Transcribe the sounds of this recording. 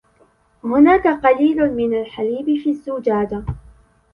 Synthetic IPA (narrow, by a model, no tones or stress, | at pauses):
hʊnaːkaqɑliːlʊmɪnalħaliːbɪfiːazːʊd͡ʒaːd̪a